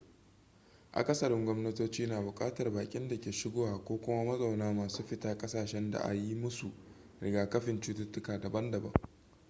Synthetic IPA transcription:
ʔa̰˨kʼɐ˦sɐ˨ɽɪ˦ŋɡʷɔ˦mnɐ˦toː˦t͡ʃiː˦naː˨bʊ˨kʼaː˦tɐ˨rbaː˨kʲʼɪ˦nda˨kʲeː˨ʃɪ˦ɡoː˦waː˨kʷoː˦kʷʊ˦mɐ˦mɐ˦zʼa˨wnaː˦maː˨suː˦ɸɪ˦taː˦kʼɐ˦saː˨ʃɛ˦nda̰˨ʔa̰˨ji˦mʊ˦su˨ | ɽɪ˨ɡaː˨kɐ˦ɸɪ˨nt͡ʃuː˦tʊ˦tːʊ˦kaː˨dɐ˨bɐ˦ndɐ˨bɐ˦ŋ

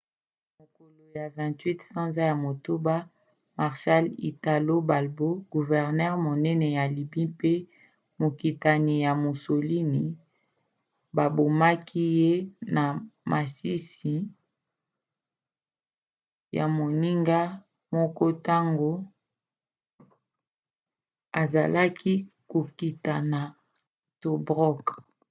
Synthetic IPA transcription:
mo˨ko˨lo˨ja˨vɛ̃˨twi˦tsã˦nza˦ja˨mo˨to˦ba˦ | ma˨ʁʃa˦lḭ˨ta˨lo˦ba˨lbo˦ɡu˨vɛ˨ʁnɛ˦ʁmo˨nɛ˦nɛ˨ja˨li˨bi˦pe˦ | mo˨ki˨ta˨ni˨ja˨mo˨so˨li˦ni˨ | ba˨bo˨ma˦kʰi˦je˦na˨mʔa˨si˦si˨ | ja̰˨mo˨ni˦ŋɡa˦ | mɔ˦kɔ˦ta˦ŋɡo˦ | a˨za˨la˦kʰi˦ko˨ki˨ta˨na˨ | to˨bʁɔ˦k

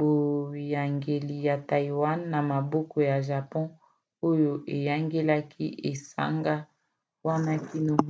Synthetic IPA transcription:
bo˨ja˨ŋɡe˨li˨ja˨ta˨i˨wa˦nːa˨ma˨bɔ˦kɔ˨ja˨ʒa˨pɔ̃˦ | o˦jo˨ʔe˨ja˦ŋɡe˦la˦kʰḭ˦ʔe˨sa̰˦ŋɡa˦ | wa˦na˦ki˦no˨

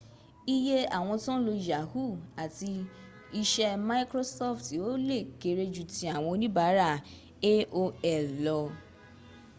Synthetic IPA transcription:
i˦je˦a˦˨w̃ɔ̃˧tɔ̃˦lo˧i˨ja˨˦hu˦˨a˨ti˧ | i˧ʃɛ˦ma˧i˦kɾo˦sɔ˦fti˨o˨˦le˦˨ke˧ɾe˧˦d͡ʒu˦˨tĩ˧a˦˨w̃ɔ̃˧nĩ˦ba˨˦ɾa˦˨ | e˦o˧ɛ˨lɔ˧

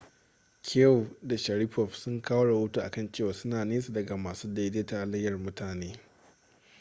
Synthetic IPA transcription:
kʲʰe˦˨da˨ʃɐ˨ɾi˦ɸɔ˨ɸsʊ˦ŋkaː˦wo˦ɽɐ˨wo˦tu˦ʔa̰˨kɐ˦˨nt͡ʃeː˦˨waː˨˦sʊ˦naː˨neː˦s̬u˨dɐ˨ɡa˨maː˨suː˦da˦deː˦ta˨lɐ˦jːɐ˨rmʊ˦tʰaː˨neː˦

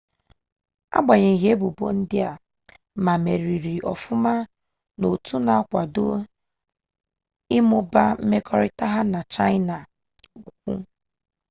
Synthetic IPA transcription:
a̰˦ɡ͡ba˨ɲe˨ɦe˦bu˨bo̰˦n̩˦dɪ˦a˨ | ma˨me˨ɾi˨ɾi˨ʔɔ̰˨fʊ˦ma˦ | no˨tu˦na˨a˦kʷa˨do˦ | ɪ˦mʊ˦ba˦m̩˦me˦kɔ˦ɾɪ˦ta˦ɦa˦na˨t͡ʃa˦ɪ˦na˨ | u˨ku˨kʷṵ˦

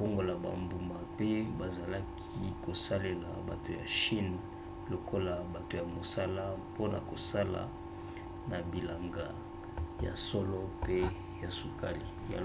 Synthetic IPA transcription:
o˦ŋɡo˨la˨ba̰˨mbu˨ma˨pe˦ba˨za˨la˦kʰi˦ko˨sa˦le˨la̰˨ba̰˨to˨ja̰˨ʃi˦n | lo˨kʰo˦la˨ba˨to˨ja˨mo˨sa˦la˦po˦na̰˨ko˨sa˦la̰˨ | na˨bi˨la˨ŋɡa˨ | ja̰˨sɔ˦lɔ˦pe˦ | ja˨su˨ka˦li˨ja̰˨

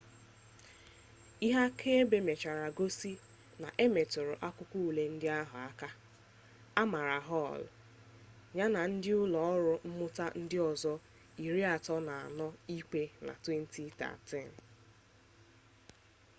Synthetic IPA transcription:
i˦ɦa˦kʰe˦be˦me˨t͡ʃa˨ɾa˨ɡo˦si˦ | na̰˨ʔe˦me˨tʊ˨ɾʊ̰˨ʔa˦kʊ˦kʷu˦u˨le˨n̩˦dɪ˦a˦ɦʊ˨a˦ka˦ | a˦ma˨ɾa˨ɦɔ˦˨l | ɲa˦na˨n̩˦dɪ˦ʊ˦lɔ˨ɔ˦ɾʊ˦m̩˦mʊ˦ta˦n̩˦dɪ˦ɔ˨zɔ˦ | i˨ɾi˦a˨tɔ˦na˨a̰˨nɔ˦i˦ke˦na̰˨twe˦n̩˦ti˦ta̰˨tɛ˦˨n˨

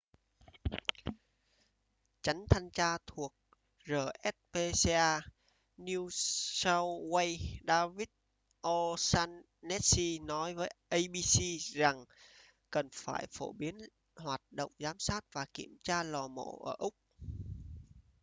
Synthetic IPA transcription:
t͡ɕa˨˦jŋ̟t̪ʰa˧ŋt͡ɕaː˧t̪ʰu˨˩ək̚ | zəː˨˩ʔɛ˦˥t̚pe˧se˧ʔaː˧ | ni˧sa˧wwə˧jɗaː˧vi˦˥t̚ | ʔɔ˧saː˧nː | ɛ˦˥t̚si˧nɔ˨˦jvəː˨˦jʔə˧jɓi˧si˧za˨˩ŋ | kə˨˩nfaː˧˩jfo˧˩ɓi˨˦ən | hwaː˨˩t̚ɗo̰˧˨wŋ͡mzaː˨˦msaː˦˥t̚vaː˨˩ki˧˩əmt͡ɕaː˧lɔ˨˩mo̰˧˩ʔəː˧˩ʔʊ˦˥k͡p̚

